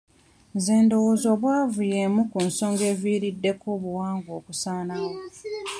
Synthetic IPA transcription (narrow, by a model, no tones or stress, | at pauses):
nzeːndo̞wozo̞ːβwaːvujemukunsoːŋɡe̞ːviːɾidːe̞koːβuwaːŋɡo̞ːkusaːnawo